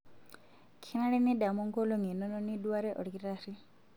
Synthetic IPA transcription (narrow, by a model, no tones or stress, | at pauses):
kʰinaɽenidamɔŋkɔloŋinɔnɔniduwaɾeʔɔ̰ɽkiɾaɾi